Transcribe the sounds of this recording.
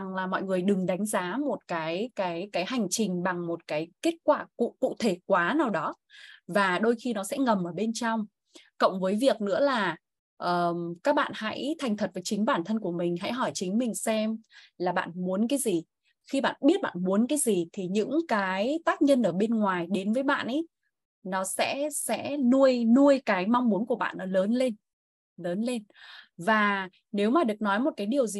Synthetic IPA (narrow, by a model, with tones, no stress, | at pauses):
ŋlaː˨˩mɔ̰˧˨jŋɨ˨˩əjɗɨ˨˩ŋɗa˨˦jŋ̟zaː˨˦mo˨˩t̚kaː˨˦jkaː˨˦jkaː˨˦jha˨˩jŋ̟t͡ɕï˨˩ŋ̟ɓa˨˩ŋmo˨˩t̚kaː˨˦jke˦˥t̚kwaː˧˩kṵ˧˨kṵ˧˨t̪ʰe˧˩kwaː˨˦naː˨˩wɗɔ˨˦ | vaː˨˩ɗo˧jxi˧nɔ˨˦sɛ̰˧˥ŋə˨˩mʔəː˧˩ɓe˧nt͡ɕɔ˧wŋ͡m | kə̰˧˨wŋ͡mvəː˨˦jvi˨˩ək̚nɨ̰˧˥əlaː˨˩ | ʔəː˨˩kaː˦˥k̚ɓa̰ː˧˨nha̰˧˥jt̪ʰa˨˩jŋ̟t̪ʰə˨˩t̚vəː˨˦jt͡ɕï˨˦ŋ̟ɓaː˧˩nt̪ʰə˧nku˧˩əmï˨˩ŋ̟ɦa̰˧˥jɦɔ˧˩jt͡ɕï˨˦ŋ̟mï˨˩ŋ̟sɛ˧m | laː˨˩ɓa̰ː˧˨nmu˨˦ənkaː˨˦jzi˨˩ | xi˧ɓa̰ː˧˨nɓi˦˥ət̚ɓa̰ː˧˨nmu˨˦ənkaː˨˦jzi˨˩t̪ʰi˨˩ɲɨ̰˧˥ŋkaː˨˦jt̪aː˦˥k̚ɲə˧nʔəː˧˩ɓe˧nŋwaː˨˩jɗe˨˦nvəː˨˦jɓa̰ː˧˨nʔə˨˦j | nɔ˨˦sɛ̰˧˥sɛ̰˧˥nu˧əjnu˧əjkaː˨˦jma˧wŋ͡mmu˨˦ənku˧˩əɓa̰ː˧˨nːɔ˨˦ləː˨˦nle˧n | ləː˨˦nle˧nvaː˨˩ | ne˨˦wmaː˨˩ɗɨ˨˩ək̚nɔ˨˦jmo˨˩t̚kaː˨˦jɗi˨˩əwzi˨˩